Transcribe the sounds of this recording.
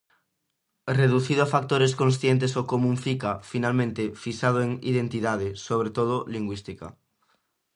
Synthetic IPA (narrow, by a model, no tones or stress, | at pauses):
reðuθiðoafak̚t̪oɾes̬kõnsθjent̪̬esokomũɱfikafinalmẽnt̪efisað̞oeŋḭð̞ẽnt̪iðað̞esoβɾet̪oð̞oliŋɡwist̪ika̰